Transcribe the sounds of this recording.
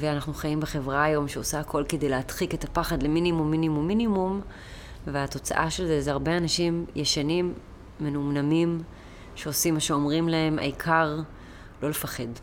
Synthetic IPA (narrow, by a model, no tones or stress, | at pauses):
veanaχnuχajimbeχe̞vʁaːjo̞mʃeosaːkʰo̞lke̞d̪ejleatχiketapaχad̪leminimumːinimumːinimum | veato̞t͡sa̰ʔaʃe̞lzezaʁbeanaʃimjeʃanimː | e̞numnamim | ʃeosimːaʃeo̞mʁimlae̞ma̰ikʰaʁ | lo̞lefaχe̞d